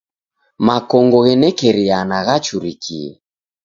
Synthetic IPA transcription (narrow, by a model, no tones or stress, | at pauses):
makɔŋɡɔɣɛnɛkɛɾianaɣat͡ʃuɾikʰḭɛ̰